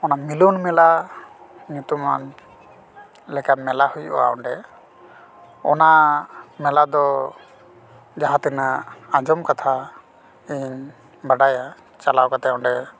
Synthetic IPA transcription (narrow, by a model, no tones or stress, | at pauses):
ɔnamilunmɛla | ɲut̪uma̰n | lɛkamɛlahujua̰ɔ̰ɳɖɛ | ɔ̰namɛlad̪ɔ | d͡ʒaɦat̪ɛnaːd͡ʒɔmkat̪ʰa | iɲ | baɖaja | t͡ʃalawkat̪ɛɔɳɖɛ